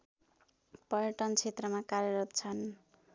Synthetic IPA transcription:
pʌɾjʌʈʌnt͡sʰet̪rʌmakaɾjʌɾʌt̪̚t͡sʰʌn

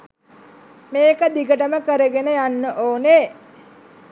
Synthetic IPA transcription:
meːkəd̪ikəʈəməkəɾəɡenəjanːəʔoːne

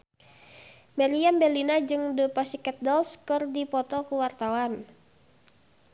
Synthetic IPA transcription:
mɛliambɛlinad͡ʒɨŋdəpasikɛt̪̚dɔlskɨrdipɔt̪ɔkuwart̪awan

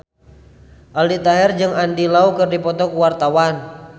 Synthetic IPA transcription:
ʔaldit̪aɦɛrd͡ʒɨŋandilaukɨrdipɔt̪ɔkuwart̪awan

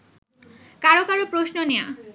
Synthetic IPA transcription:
kaɾokaɾopɾosnonea̰

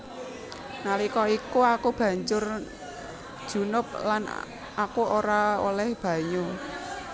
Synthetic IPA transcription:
nalikɔikuakub̥ä̤ɲd͡ʒʊr | d̥ʒ̥ṳnʊp̚lan | akuoɾao̰lɛhb̥ä̤ɲu

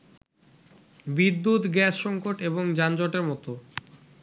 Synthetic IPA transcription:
bid̪ːut̪ɡɛsʃɔŋkoʈeboŋd͡ʑand͡ʑɔʈeɾmɔt̪o

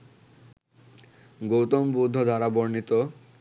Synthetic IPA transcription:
ɡowt̪ombud̪ʱːod̪ʱaɾaboɾnit̪o

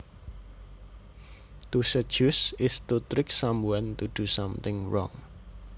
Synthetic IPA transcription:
t̪usəd̥ʒ̥ʊsɪst̪ut̪ɾɪksambuant̪uɖ̥usʌmt̪ɪŋɹɔ̰ŋ

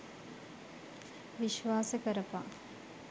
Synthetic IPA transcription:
ʋiʃʋaːsəkəɾəpa̰

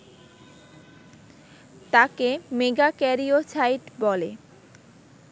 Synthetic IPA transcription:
t̪akemeɡakɛɾiosajʈbɔle

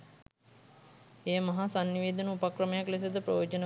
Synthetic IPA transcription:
eːmɐɦasanːiʋeːd̪ənəupakrəmejakles̬ed̪əpɾəjoːd͡ʒənə

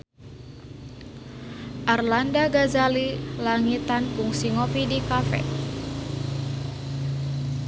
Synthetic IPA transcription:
ʔarlandaɡazalilaŋit̪ankuŋsiŋopidikafɛ̰

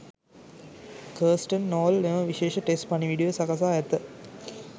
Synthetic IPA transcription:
kəːsʈənːoːlneʋəʋiʃeːʃəʈesʈpɐniʋiːɖijosakas̬aːɛt̪ːə

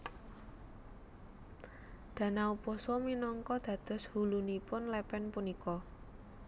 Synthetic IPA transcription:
d̪̥ä̤nauposɔminɔŋkɔd̪̥ä̤d̪̥ɔ̤shulunipʊnlɛpɛnpunikɔ

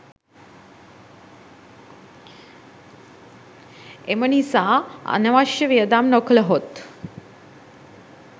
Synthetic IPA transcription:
emənisaa̰nəʋaʃjəʋiəd̪amnokləɦot̪

